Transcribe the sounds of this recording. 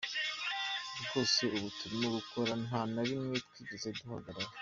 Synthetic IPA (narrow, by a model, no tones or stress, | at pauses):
bɡo̞ːse̞uβutʰuɾimuɡukoɾananaɾimŋetkwiːɟezeduɦaɡaɾaɾe